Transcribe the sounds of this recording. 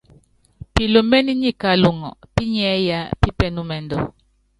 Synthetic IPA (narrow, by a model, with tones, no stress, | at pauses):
pi˨lo˨me˦ni˦ɲi˦˨ka˨lu˨ŋɔ̰˨pi˦ɲɛ˨˦ja˦pi˦pɛ˨nu˦mɛ˨ndɔ̰˨